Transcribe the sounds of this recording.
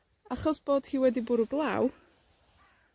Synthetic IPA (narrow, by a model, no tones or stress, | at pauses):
aχɔsb̥oːd̥hiːwɛdibʊɾuɡlˠaw